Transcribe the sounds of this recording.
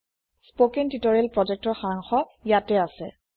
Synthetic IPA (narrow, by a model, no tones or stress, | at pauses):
spokintitɔɹelpɹɔd͡ʒɛk̚tɔɹxaɹaŋxɔjatɛasɛ̰